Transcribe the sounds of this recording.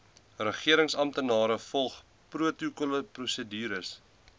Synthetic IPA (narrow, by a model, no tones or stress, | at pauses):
rəχiəɾəŋsɐmtənɑːɾəfɔlˠχ | pruətukuləprusədiːɾəs